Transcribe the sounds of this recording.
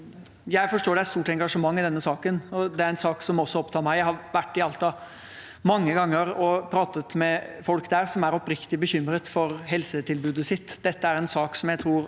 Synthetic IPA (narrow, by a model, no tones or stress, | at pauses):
jæɪfɔʂʈoːɖɛæst̪uːʈɛŋɡɑʂəmɑŋːɪd̪ɛnːəsɑːkənɔd̪ɛæɾɛnsɑːksɔmɔsːɔɔpt̪ʰɑːɾmæɪjæɪhɑɾʋæʈːɪɑlt̪ɑ | mɑŋːəɡɑŋːəɾɔpʰɾɑːt̪ət̪mɛfɔlkd̪æːɾsɔmæɾɔpɾɪkt̪ɪbəçʏmːɾət̪fɔɾɦɛlsət̪ʰɪlbʉːd̪əsɪt̪ːd̪̥ɛt̪ːəæɾɛnsɑːksɔmjæɪt̪ʰɾuːɾ